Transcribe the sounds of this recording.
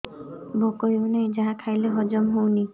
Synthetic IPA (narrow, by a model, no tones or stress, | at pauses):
bʱokojonajd͡ʒaɦakʰajleɦɔd͡ʒɔmɦowni